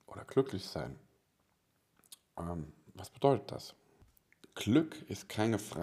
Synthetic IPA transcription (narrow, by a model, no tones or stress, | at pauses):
ʔo̰ːdɐɡ̥lʏklɪçz̥a̰ɪn | ʔɛmvasb̥əd̥ɔʏtət̚d̥a̰s | ɡ̥lʏkɪst̚kʰaɪnəfʁ̥aː